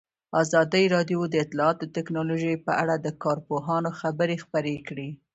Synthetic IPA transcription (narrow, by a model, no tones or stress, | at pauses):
ɑzɑd̪əjɾɑd̪jod̪əɪt̪lɑɑt̪ot̪ɪknɑloʒəjpəʔaɽad̪əkɑɾpoɦɑnoxabəɾexpəɾekɽi